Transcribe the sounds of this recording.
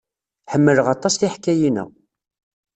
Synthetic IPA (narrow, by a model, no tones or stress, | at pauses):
ħəmːələʁɑt̪ˤːɑsθiħkːæjinæ̰